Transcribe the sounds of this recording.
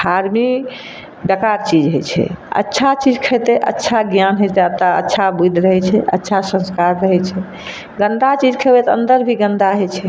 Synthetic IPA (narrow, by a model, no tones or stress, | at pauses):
d̪ʱaɾmi | bəkaɾt͡ʃid͡ʒɦot͡ʃʰɛ̰ə̰tːʃʰat͡ʃid͡ʒkʰəjt̪ɛʔə̰tːʃʰaɡjanɦot̪ɛət̪ːaə̰tːʃʰabud̪ʱɾəɦɛt͡ʃʰɛʔə̰tːʃʰasə̃nskaɾːəɦɛt͡ʃʰɛ | ɡənd̪at͡ʃid͡ʒkʰɛbɛt̪ə̰̃nd̪əɾbʱiɡə̃nd̪aɦɛt͡ʃʰɛ